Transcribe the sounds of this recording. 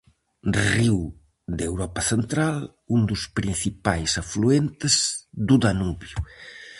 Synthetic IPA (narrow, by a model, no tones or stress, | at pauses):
riw | d̪ewɾɔpɐθent̪ɾal | und̪uspɾin̟θipajsafluent̪ezd̪ud̪anuβju